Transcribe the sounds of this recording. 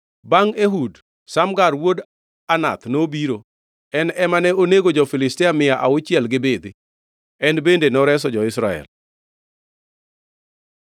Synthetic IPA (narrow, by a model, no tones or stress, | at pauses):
baŋeɦud | samɡarwod | ana̰t̪nobiɾo | ɛnɛmanɛoneɡod͡ʒɔfɪlɪstɪamɪjaʔaʊt͡ʃɪɛlɡɪbed̪ɪ | ɛnbendenɔɾɛs̬ɔd͡ʒɔɪsɾaɛ̰l